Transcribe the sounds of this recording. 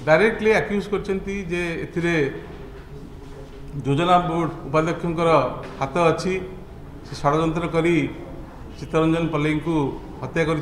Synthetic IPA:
ɖajɾek̚ʈleakjuskɔɾit͡ʃʰɔnt̪id͡ʒeet̪ʰiɾe | d͡ʒod͡ʒɔnaboɖupad̪jɔkʰːjɔŋkɔɾɔhat̪ɔːt͡ʃʰi | sesaɽɔd͡ʒɔnt̪ɾɔkɔɾi | t͡ʃit̪ɔɾɔnd͡ʒɔnpɔlejŋku | ɦɔt̪jakɔɾi

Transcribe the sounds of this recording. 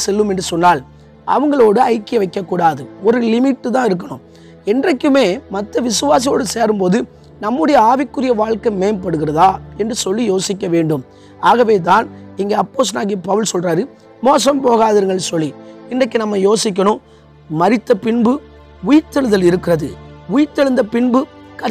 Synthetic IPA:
sɛlːɯmɛndrɯsɔnːaːl | ʔɐ̰ʋɯŋɡɐɭoːɽɯɐɪkːɪjɐʋɐɪkːɐkːuːɽaːðɯɔɾɯlɪmɪʈːɯt̪̬ãːɪɾɯk̬ːɐɳʊ̃m | ɛndrɐkːɯmeːmɐt̪ːɐʋɪsɯʋaːs̬ijoːɽɯseːɾɯmpoːðɯ | nɐmːɯɽɐjɐaːʋɪkːɯɾɪjɐʋaːɻkɐmeːmpɐɽɯɣɪrɐðaːɛndrɯsɔlːijoːsɪk̬ːɐʋeːɳɖɯm | aːɣɐʋeːt̪̬aːnɪŋɡeːɐpːoːs̬naːɣipɐʋɯlsɔlraːɾɯ | moːs̬ɐmpoːɣaːðɐɾŋɡɐɭsɔlːiɪndɐk̬ːɯnɐmːɐjoːsɪk̬ːɐɳʊ̃ | mɐɾɪt̪ːɐpɪɳbɯ | ʊjt̪ːɛɭɯðɐlɪɾɯkːɪɾɐðɯ̰ʊjɪt̪ːɛɭɯnd̪ɐpɪɳbɯkɐ

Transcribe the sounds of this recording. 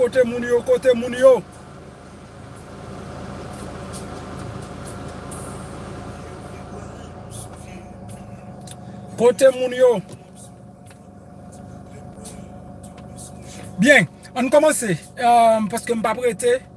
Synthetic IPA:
otemunjokotemunjo | kotemunjo | biɛn | ənkɔmase | m̩pɔskem̩papkete

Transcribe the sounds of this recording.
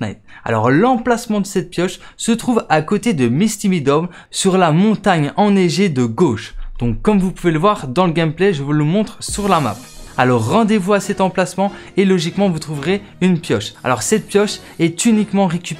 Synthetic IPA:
a̰t̪a̰lɔ̰ʁlɑ̃plasmɑ̃d̪əsɛt̪̚pjɔʃ | sət̪χuvakot̪ed̪əmist̪imid̪ɔbl | syʁlamɔ̃t̪aɲɑ̃neʒed̪əɡoʃd̪̥ɔ̃kːɔmvupuveləvwaʁd̪ɑ̃ləɡʲɛmpleʒəvuləmɔ̃t̪χsyʁlama̰p | alɔʁːɑ̃d̪evuasɛt̪ɑ̃plasmɑ̃ | elɔʒikmɑ̃vut̪χuvʁe | ynpjɔʃa̰lɔʁsɛt̪̚pjɔʃ | ɛt̪ynikmɑ̃ʁekʲyp

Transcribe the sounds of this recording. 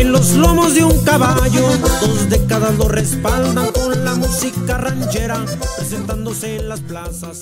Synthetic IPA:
enlo̞zlo̞mo̞zðeuŋkaβaʝod̪o̞zd̪e̞kaðazlo̞re̞spald̪aŋko̞nlamusikarant͡ʃe̞ɾapɾe̞se̞nt̪and̪o̞se̞ːnlasplasas

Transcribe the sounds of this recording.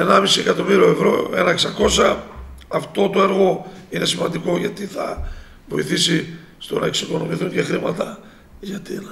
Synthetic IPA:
enɐmisiekɐt̪o̞miɾio̞evɾo̞e̞̰nɐeksɐko̞sɐː | ft̪o̞t̪oe̞ɾɣo̞ine̞simɐnd̪iko̞ʝɐt̪iθɐ̰ | vo̞iθisi | st̪o̞̰nɐ̰eksiko̞no̞miθuɲɟe̞xɾimɐt̪ɐ | ʝɐt̪in

